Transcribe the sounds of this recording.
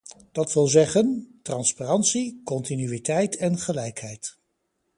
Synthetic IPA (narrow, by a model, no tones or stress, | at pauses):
d̥ɑtʋɪlˠzɛχəntrɑnsparɑntsikɔntinyitɛjtʰɛnχəlɛjkɦɛjt